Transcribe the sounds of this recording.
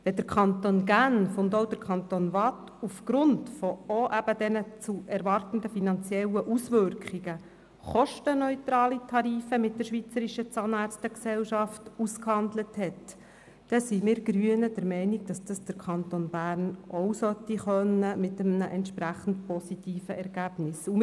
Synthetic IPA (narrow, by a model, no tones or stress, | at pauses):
ʋɛdəɾkʰχɑnt̪onɡænfʊndowd̥əɾkʰɑnt̪onʋɑt | ufɡ̥ɾʊntfɔoʔæb̥ədɛnət͡suʔɛɾʋɑrtəndəfinɑnt͡sjɛlːəʔusʋʏɾkχiɡə | χɔʃtənœʏt̪ɾɑːlitʰɑɾiːfəmɪt̚d̥əɾʃʋit͡səɾiʃət͡sɑnɑɾt͡stəksɛlʃɑftuskhɑndləthɛt | d̥ɛsimɪːɾɡ̥ɾyənəd̥əɾmɛɪniɡ̚d̥ɑsd̥ɑsd̥əɾkʰɑntonb̥æːɾnʔɔwsœtːiχœnːəmɪtəmnəʔɛntʃpɾæχən̩tpɔsitiːfəʔɛɾɡæb̥nɪsu